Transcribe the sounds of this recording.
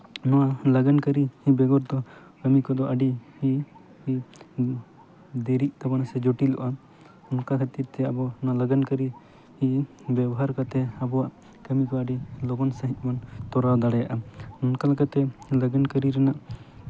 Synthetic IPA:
nɔwaləɡənkəɾihibɛɡɔɾd̪ɔ | kəmikɔd̪ɔʔəɖihi | hi | d̪eɾiʔt̪abanasɛd͡ʒɔʈilɔ̰ʔa | ɔnkakʰat̪iɾt̪ɛabɔnɔwalaɡənkəɾi | hibɛbɔɦaɾkat̪ɛabɔwaʔ | kəmikɔəɖilɔɡɔnsəɦic̪̚ˀmant̪ɔɾawd̪aɽɛjaʔanɔnkalakat̪ɛləɡənkəɾiɾɛnaʔ

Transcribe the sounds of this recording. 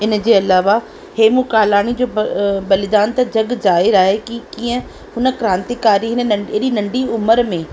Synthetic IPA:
ɪn̆d͡ʑeːɐlaːʋa | heːmũkaːlaːñid͡ʑoːbɐlɪd̪aːnt̪ɐd͡ʑɐɡzaːɪɾaːɦekikĩːə̃ | ɦʊnə̆kɾãːnt̪ikaːɾiɦɪnɐeɗinɐ̃ɳɖiʊməɾmẽ

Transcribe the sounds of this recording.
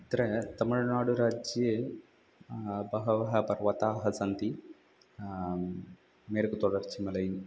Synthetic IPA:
t̪ɐɾet̪ɐmiɻnaːɽuɾaːd͡ʒje | bɐɦɐʋɐɦɐpɐɾʋɐt̪aːɦɐsɐnt̪i | meːɾɐkut̪ɔːɽɐɾt͡ʃimɐlɐji

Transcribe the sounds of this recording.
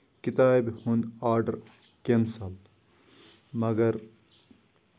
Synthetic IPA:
kit̪aːbhũnd̪aːɾɖɐɾ | kensɐl | mɐɡɐɾ

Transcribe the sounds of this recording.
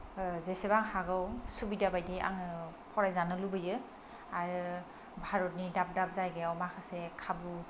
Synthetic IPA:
zesebaŋhaɡɯwsubidabajdiʔa̰ŋɯpʰɔɾajzanɯlubɯjɯ | aɾɯ | bʱaɾɔt̚nidap̚dap̚zajɡeawmakʰasekʰabu

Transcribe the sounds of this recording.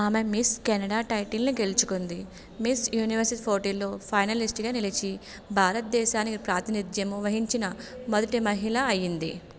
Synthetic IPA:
aːmemiskɛnɐɽaːʈɐjʈilniɡe̞lt͡ʃukund̪i | misjuːniʋɐɾsit̪ipʰoːʈilːo̞ːpʰɐjnɐlisʈɡaːnilɐt͡ʃi | bʱaːɾɐt̪̚d̪ɛːʃaːnikipɾaːt̪inid̪jɐmuʋɐɦiɲt͡ʃinɐmɐd̪ɐʈimɐɦilɐːjːind̪i

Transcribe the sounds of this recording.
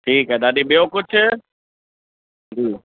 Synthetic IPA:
ʈʰiːkɦɛːd̪aːɗiɓijokʊd͡ʑʱʰʊ | d͡ʑiː

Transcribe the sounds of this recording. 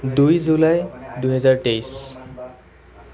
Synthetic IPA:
dujzulajdujɦɛzaɹtejs

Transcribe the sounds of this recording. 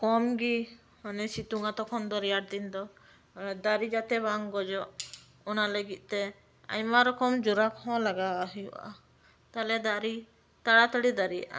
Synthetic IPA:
kɔmɡi | hɔnɛsit̪uŋat̪ɔkʰɔnd̪ɔɾijaʈ̚d̪ind̪ɔ | d̪aɾid͡ʒat̪ɛbaŋɡɔd͡ʒɔʔ | ɔnaləɡit̪̚ˀt̪ɛ | a̰jmaɾɔkɔmd͡ʒuɾakhɔ̃laɡaːɦijuʔa̰ʔa | t̪alɛd̪aɾi | t̪aɽat̪əɽid̪aɾija̰ʔa̰

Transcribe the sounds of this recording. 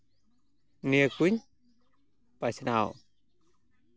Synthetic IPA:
niəkuɲ | pajsna̰w

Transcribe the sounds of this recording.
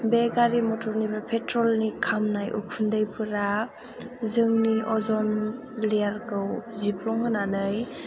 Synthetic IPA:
beɡaɾimɔtʰɔɾnibapʰetɾɔlnikʰamnajʔukʰundajpʰɯɾa | zɯŋniɔzɔn | lijaɾkʰɯwzipɾɔŋhɯnanɯj

